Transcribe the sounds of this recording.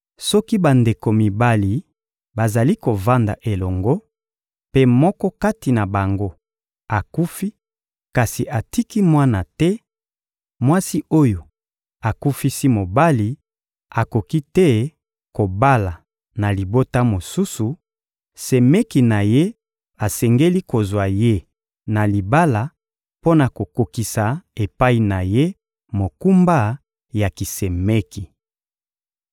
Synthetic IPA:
sɔ˦ki˦ba˨nde˨ko˨mi˨ba˦li˨ | ba˨za˨li˦ko˨va˦nda̰˨ʔe˨lɔ˨ŋɡo˦ | pe˦mɔ˦kɔ˦ka˦ti˨na˨ba˨ŋɡo˦ | a˨ku˦fi˦ | ka˨si˨ʔa˨ti˦ki˦mwa˦na˨tɛ˦ | mwa˦si˦o˦jo˨ | a˨ku˦fi˦si˦mo˨ba˦li˨ | a˨ko˨ki˦tɛ˦ | ko˨ba˦la˨ | na˨li˨bo˦ta˦mo˨su˦su˨ | sɛ˨mɛ˦ki˨na˨je˦ | a˨sɛ˨ŋɡe˦li˦ko˨zwa˨je˦ | na˨li˨ba˦la˨ | po˦na˨ko˨ko˨ki˨sa˨e˨pa˦i˨na˨je˦ | mo˨ku˦mba˦ | ja˨ki˨sɛ˨me˦ki˨

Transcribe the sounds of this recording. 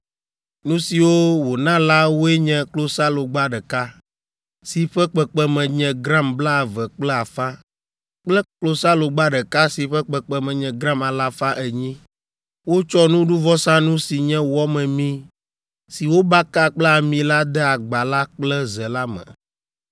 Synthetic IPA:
nũ˦si˨wo˦wo˨nã˦la˦wo˦ɛ˦ɲɛ̃˨klo˦sa˦lo˨ɡ͡ba˦ɖɛ˨ka˦ | si˨ɸɛ˦k͡pɛ˨k͡pɛ˦mɛ̃˨ɲɛ̃˨ɡɾã˦mbla˦a˨vɛ˨k͡plɛ˦a˨fã˦ | k͡plɛ˦klo˦sa˦lo˨ɡ͡ba˦ɖɛ˨ka˦si˨ɸɛ˦k͡pɛ˨k͡pɛ˨mɛ̃˨ɲɛ̃˨ɡɾa˦ma˨la˦fa˦ʔɛ˨ɲĩ˦ | wo˦t͡ʃɔ˦nũ˦ɖu˦vɔ˦sã˦nũ˦si˨ɲɛ̃˦wɔ˦mɛ̃˨mĩ˦ | si˨wo˦ba˦ka˦k͡plɛ˦a˨mĩ˨la˦d̪ɛ˦a˨ɡ͡ba˨la˦k͡plɛ˦zɛ˨la˦mɛ̰̃˨

